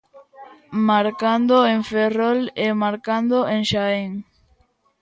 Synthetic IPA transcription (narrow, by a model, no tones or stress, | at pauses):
maɾkand̪oeŋferɔlemaɾkand̪oʔeŋʃaeŋ